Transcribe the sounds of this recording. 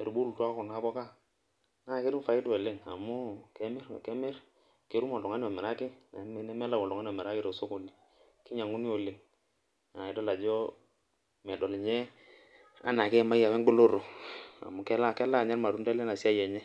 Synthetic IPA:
e˨ɾbu˦lu˨twa˦ku˨na˦bɔ˦ka˦ | na˦˨ke˦ɾu˦fa˨ɪ˦tɛ˨lɪ˦ŋa˨mu˦kɛ˦mɛ˦ɾkɛ˦mɛ˦ɾ | ke˨˦ɾu˦mɔ˨du˨ŋa˦ni˦ɔ˨mɛ˨ɾa˦kɪ˦˨˦nɛ˦mɛ˦la˦˨ɔ˨du˨ŋa˦n˦ɔ˨mɛ˨ɾa˦kɪ˦ɾo˨so˦ko˨li˨ | ki˦ɲa˨ŋu˦ni˦o˨lɪ˨ŋ | a˨ɪ˨dɔ˦la˨d͡ʒɔ˦ | mɛ˨dɔ˨lɲɛ˦ | a̰˦na˨kɛ˦˨ma˦ja˨wɛ˦ŋɡ͡be˦lo˦ɾo˨a̰˨mu˨kɛ˦la˦kɛ˦la˦˨ɲɛ˦ɾma˨du˦ndɛ˦le˦na˨si˦a˦jɛ˨ɲɛ˦

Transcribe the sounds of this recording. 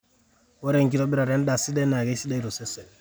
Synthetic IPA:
wɔ˦ɾɛ˦ŋki˦ɾɔ˦bi˦ɾa˨ɾɛ˨˦n˦da˨si˦dɛ˦na˨ɡɛ˦si˦da˦i˦ɾo˨sɛ˦sɛ˨

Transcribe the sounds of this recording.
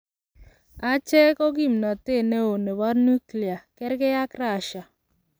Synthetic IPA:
a˦t͡ʃɛ˦kɔ˦ɡi˦˨mna˨te˦˨ne˦o˨ne˨wa˦ɾnu˦kli˨a˨kɛ˦ɾkɛ˦ja˦kɾa˨ʃa˨

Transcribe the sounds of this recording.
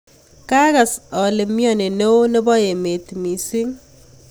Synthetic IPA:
ka˦ka˨sɔ˨le˨mjɔ˦˨ne˨ne˦o˦ne˦bɔ˦je˨me˨t̪mi˨si˦ŋ

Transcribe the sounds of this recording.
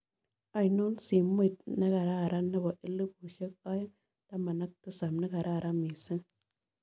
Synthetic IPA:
a˨jno˦nsi˨m˦i˦˨t̚nə˦ɡa˨ɾa˦˨ɾa˦nə˦ba˨ʔi˦li˦bu˨ʃe˦k̚a˦j | d̥a˦ma˨na˦k̚tə˦sa˨mna˦ɡa˨ɾa˦˨ɾa˦mi˨sə˦ŋ

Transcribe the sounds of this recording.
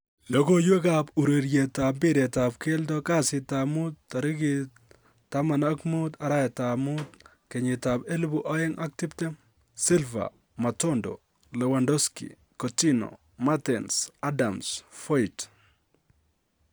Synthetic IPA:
lo˦ko˦jwe˦kapu˨ɾe˨ɾje˨ta˨bɪ˦ɾe˨tap̚ke˦ltɔka˦sɪ˨tamu˦tːa˨ɾi˦ɡi | ta˦ma˨nakmut̪a˨ɾa˦ɛ˨tamʊt̪ | kɛ˨ɲɪ˨tabe˦lbuʔɔ˦e˦ŋʔa˦k̚tɪ˦pte˦ | si˦lva̰˨ | ma˨tɔndo̰˨ | lɛ˨wandɔ˦skḭ˨ | koti˦no̰˨ | matɛnsadamsfɔ˦it

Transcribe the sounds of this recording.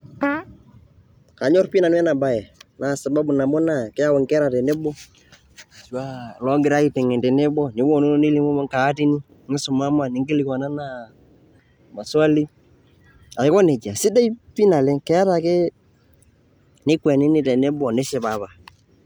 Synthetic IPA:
ka˨ɲɔ˦rpi˦na˨n˦ɛ˦na˨ba˦˨jɛ˨na˨sa˨ba˦bu˨na˨mɔ˦na˦˨kɛ˦a˦wɔ˨ŋkɛ˦ɾa˨tɛ˨ne˦bɔ˦ | swa˦lɔ˦ŋɡɪ˨ɾa˦i˦tɛ˨ŋɛ˨tɛ˨ne˦bɔ˦nɪ˨˦bɔ˨nu˦nɪ˦li˦mo˦mɔ˦ŋkaː˨˦ti˦ni˦ | ŋɪ˦sʊ˨ma˦ma˨nɪ˨ŋɡɪ˦lɪ˨ka˨na˦na˦˨ | ma˨swa˦li˦ | a˨ɪ˨˦kɔ˦ne˨d͡ʒa˨sɪ˦da˦i˦pi˦na˨lɛ˦ŋkɛ˦a˦ɾa˨kɛ˦ | nɪ˦kwɛ˨nɪ˦nɪ˦tɛ˨ne˦bɔ˨nɪ˦ʃɛ˨ba˨ba˨

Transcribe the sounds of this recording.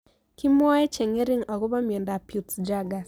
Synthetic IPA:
ki˦m˦ɔ˦ɛ˦t͡ʃɛ˨ŋe˦ɾi˦ŋa˨ɣu˦βa˦mi˨ɛ˨nda˨pju˨td͡ʒa˦ɡa˨

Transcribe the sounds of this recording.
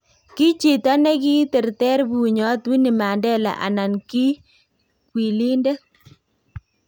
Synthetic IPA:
ki˦t͡ʃi˨ta˦ne˦ki˦tɛ˨ɾtɛ˦ɾbu˨ɲɔ˨˦twi˦ni˨ma˨ndɛ˦la̰˨ʔa̰˨na˨nki˦ | kwi˨li˦nde˦

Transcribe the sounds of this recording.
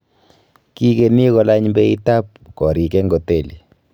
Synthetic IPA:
ki˦ke˨ni˦kɔ˦la˦ɲmbɛ˦i˦ta˦p̚kɔ˨ɾi˨kɛ˦ŋɡɔ˨te˦˨li˨

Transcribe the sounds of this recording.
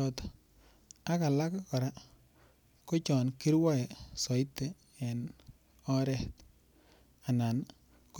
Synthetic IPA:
ɔ˨t̪ | a˦ka˨la˦kkɔ˨ɾa˦ | ko˦t͡ʃɔ˨nki˦ɾwɔ˦ɛ˨sɔ˨ɪ˦tːɛː˨ | n | ɔ˦ɾɛ˦t̪ | a˨na˨n | k

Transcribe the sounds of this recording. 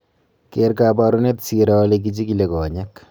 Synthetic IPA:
keɾka˨ba˨ɾu˦ne˦tsi˨ɾa˦lek̬it͡ʃi˦kile˨kɔ˨ɲɛ˦k

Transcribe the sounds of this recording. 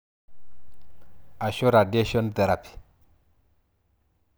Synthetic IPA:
a˨ʃo˦ɾa˨dje˦ʃɔ˦nt̪ɛ˨ɾa˨pi̥˨

